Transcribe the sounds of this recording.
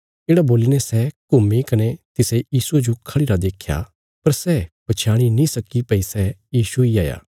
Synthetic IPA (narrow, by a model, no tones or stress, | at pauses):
eːɽaboːlinɛsɛkʊmikɐnet̪ɪsejiːsued͡ʒokʰɐɽiɾad̪eːkʰja̰ | pɐɾsɛpɐt͡ʃʰaːɽ̃inĩsɐkipɐisɛjiːsuiaːja̰ː